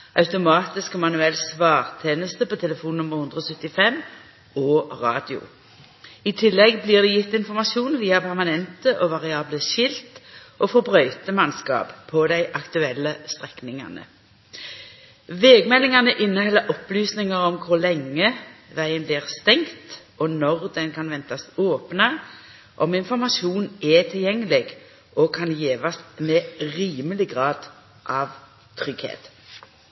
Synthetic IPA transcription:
ʔɑʉt̪ʊmɑːt̪ɪskɔmɑnʉɛlsʋɑːʁt̪ʰeːnəst̪əpɔt̪ʰɛləfuːnnʊmːəʁhʊnd̪ʁəɔːsœt̪ːɪfɛm | oːʁɑ̰ːd̪ɪʊ̰ | ɪt̪ʰɪlːɛɡbliːʁd̪ɛjɪt̪ːɪnfɔʁmɑʃuːnʋiːɑpʰæʁmɑnɛnt̪əʔoʋɑʁɪɑːbləʃɪlt̪ʔoːfɔbʁœʏt̪əmɑnskɑ̰ːppʰːɔd̪æɪʔɑkt̪ʉɛlːəst̪ʁɛknɪŋɑ̰nə̰ | ʋeːɡmɛlɪŋɑnəʔɪnːəhɛlːəʔɔplyːsnɪŋɑʁɔmkʰʊʁlɛŋːəʋæɪənbliːʁst̪ɛŋt̪ | ɔnɔʁd̪ɛnkʰɑnʋɛnt̪ɑsoːpnə | ʔɔmɪnfɔʁmɑʃuːnɛt̪ʰɪljɛŋːəlɪɡ | ʔɔkʰɑnjeːʋɑsmɛːʁiːməlɪɡʁɑːd̪ | ʔɑːʋ | t̪ʰʁʏɡhḛːt̪

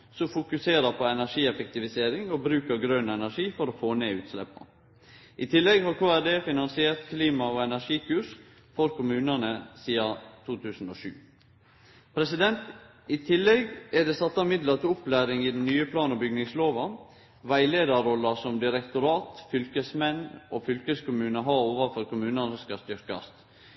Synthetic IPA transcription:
sɔfʊkʉseːɾəpʰɔɛnæʂiːɛfɛk̚t̪ɪʋɪseːɾɪŋɔbɾʉːkəɾɡɾœnɛnæʂiːfɔɾɔfoːneːʉːt̪slɛ̰pːɑ̰ | ʔɪt̪ʰɪlːɛɡhɑɾkʰoːæɾɖeːfɪnɑnsɪeːɾt̪kʰliːmɑɔɛnæʂiːkʰʉʂ | fɔɾkʰʊmʉːnənəsiːɑt̪ʰuːt̪ʰʉːsn̩ɔːʃʉ̰ː | pʰɾɛsɪd̪ɛnt̪ | ɪt̪ʰɪlːɛɡæd̪ɛsɑt̪ːɑmɪd̪lət̪ʊplæːɾɪŋɪd̪ɛnnːyːəpʰlɑːnɔbʏɡnɪŋsloːʋɑ | ʋæɪleːd̪ɑɾɔlːəsɔmd̪ɪɾɛkt̪ʊɾɑːt̪fʏlkəsmɛnɔfʏlkəskʊmʉːnəɦɑɾoːʋɑfɔɾkʊmʉːnənəskɑst̪ʏɾkɑ̰st̪

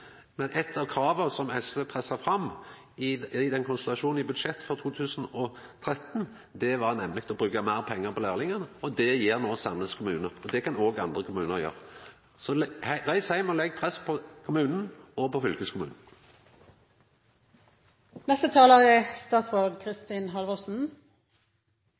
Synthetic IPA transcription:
mɛnʔɛt̪ʰːɑʋkʰɾɑːʋəsɔmɛsʋepʰʁɛsːɑʁfʁɑmː | ɪɪd̪ɛnkʰʊnslɑʂuːnn̩ɪbʉd̪ʃɛt̪ːfɔʁt̪ʰuːt̪ʰʉːsn̩ɔ | t̪ʰɾɛt̪ːn | d̪ɛʋɑʁnɛmlɪk̚t̪ʰɔbʁʉːkəmæːʁpʰɛŋːəʁpʰɔlæːʁlɪŋənəɔd̪ɛjiːʁnoːsɑmləskʰʊmʉːnəʁɔd̪ɛkɑnoːɡɑ̰nd̪ʁəkʰʊmʉːnəʁjø̰ːʁ | sɔʁæɪshæɪmɔlɛɡ̚ːpʰʁɛspʰɔkʰʊmʉːnn̩ɔpɔfʏlkəskʰʊmʉ̰ːnn̩ | nɛst̪ət̪ʰɑːləʁɪst̪ɑːt̪sʋoɡ̪kʰʁɪst̪iːnɦɑlʋəsn̩

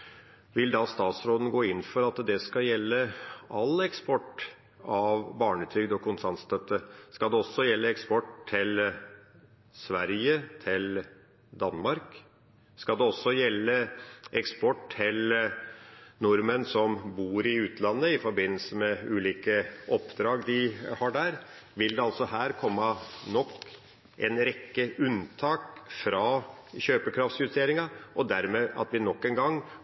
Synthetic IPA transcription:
ʋɪld̪ɑst̪ɑːt̪sɾoːd̪n̩ɡoːɪnːfɔɾɑt̪d̪ɛskɑjɛlːəʔɑlɛkspɔʈː | ɑʋbɑːɳət̪ʰɾʏɡd̪ɔkʰʊnsɑnst̪ʰœt̪ːəskɑld̪ɛɔsːɔjɛlːəɛkspɔʈt̪ʰɪl | sʋæɾjət̪ʰɪl | d̪ɑnːmɑɾk | skɑld̪ɛɔsːɔjɛlːəʔɛkspɔʈʰːɪl | nʊɾmənsɔmbuːɾɪʉːt̪ʰlɑnːəɪfɔɾbɪnːəl̩səmɛʉːliːkəʔɔpːd̪ɾɑːɡd̪ɪhɑɖæɾ | ʋɪld̪ɛɑlsɔɦæːɾkʰɔmːɑnɔkː | ʔɛnɾɛkːəʉnt̪ʰɑːkfɾɑçøːpəkʰɾɑft̪sjʉst̪ʰeːɾɪŋɑʔɔd̪æɾmeːʔɑ̰t̪ʋɪnɔkːɛnɡɑŋː

